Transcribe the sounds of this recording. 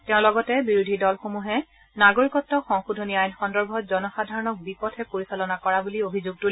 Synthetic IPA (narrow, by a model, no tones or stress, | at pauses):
tɛʊ̃lɔɡɔtɛbiɹudʱidɔlxomuɦɛ | naɡoɹikɔtːɔxɔŋxudʱoniajnxɔndɔɹbʱɔtzɔnɔxadʱaɹɔnɔk̚bipɔtʰɛpoɹisalɔnakɔɹabuliobʱizuɡ̚tu